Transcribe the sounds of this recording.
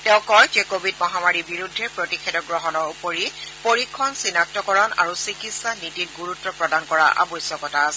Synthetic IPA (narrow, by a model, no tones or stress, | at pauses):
tɛʊ̃kɔjd͡ʒekobʱidmɔɦamaɹibiɹudʱːɛɹpɹotixʰɛdɔɡɹɔɦɔnɔɹupoɹipoɹikʰːɔnsinak̚tɔkɔɹɔna̰ɹusikitsanidit̚ɡuɹutːɔpɹɔdankɔɹa̰ʔa̰bɔjsjɔkɔtasɛ